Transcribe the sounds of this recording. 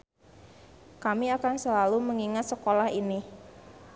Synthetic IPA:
kamiakansəlaluməŋiŋat̪̚səkolahini

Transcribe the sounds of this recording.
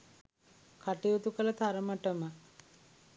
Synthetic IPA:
kʰaʈiot̪ukələt̪ʰaɾəməʈəmə

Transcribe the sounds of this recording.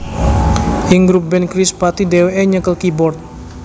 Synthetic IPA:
ʔɪŋɡɾup̚bɛnkɾɪspat̪idewɛɲəkəlkibɔrt̪̚

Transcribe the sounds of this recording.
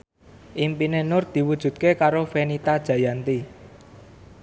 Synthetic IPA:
ʔimpinenʊrd̪̥i̤wud̥ʒ̥ṳt̪̚kekaɾofenit̪ad̥ʒ̥ä̤jant̪i

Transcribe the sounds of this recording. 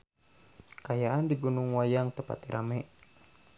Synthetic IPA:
kajaʔandiɡunuŋwajaŋt̪əpa̰t̪iɾʔa̰mɛʔ

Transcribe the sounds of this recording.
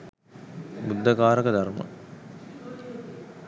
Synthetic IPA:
bud̪ːəkaːɾəkəd̪armə̰

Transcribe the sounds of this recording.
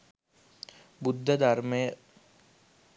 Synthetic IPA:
bud̪ʱːəd̪aɾməjə

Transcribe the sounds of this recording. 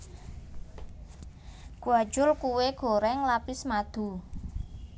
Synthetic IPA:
ɡ̥uad̥ʒ̥ʊlkuweɡ̥o̤ɾɛŋlapɪsmad̪̥ṳ

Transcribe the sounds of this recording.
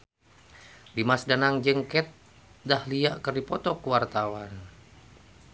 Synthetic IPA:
dimasdanaŋd͡ʒəŋkɛt̪̚ | dahliaʔkərdipɔt̪ɔkuwart̪awan

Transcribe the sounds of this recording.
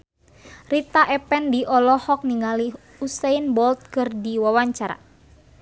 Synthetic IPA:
rit̪aʔɛpɛndiʔɔlɔhɔk̚niŋali | usɛinbɔlt̪̚kɨrdiwawaɲt͡ʃaɾa̰

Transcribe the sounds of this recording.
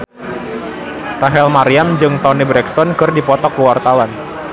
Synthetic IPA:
raɦɛlmaɾiamd͡ʒɨŋt̪ɔnibɾɛkst̪ɔnkərdipɔt̪ɔkːəwart̪awan

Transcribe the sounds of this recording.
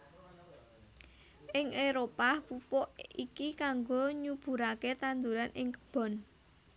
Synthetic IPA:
ʔɪŋʔeɾopapupɔʔikikaŋɡoɲub̥ṳɾaket̪and̪uɾanɪŋkə̥b̥ɔ̤n

